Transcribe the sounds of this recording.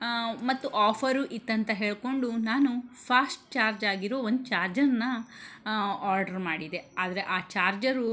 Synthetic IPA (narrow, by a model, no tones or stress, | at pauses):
mɐt̪ːuʔaːpʰɐɾuʔit̪ːɐnt̪ɐɦe̞ːɭko̞ɳɖunaːnupʰaːsʈ̚t͡ʃaːɾd͡ʒaːɡiɾɔʋɐond̪ut͡ʃaːɾd͡ʒɐɾnːɐ | aːɾɖɐɾmaːɽid̪e̞aːd̪ɐɾeʔaːt͡ʃaːɾd͡ʒɐɾu